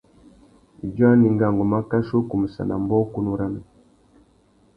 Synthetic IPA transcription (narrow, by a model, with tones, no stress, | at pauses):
d͡ʒwa˦ni˨ŋɡa˨ŋɡɔ˨ma˦ka˦ʃo˦ku˨mu˨sa̰˨na̰˨mbɔ˦ku˦nu˦ɾa˦na˨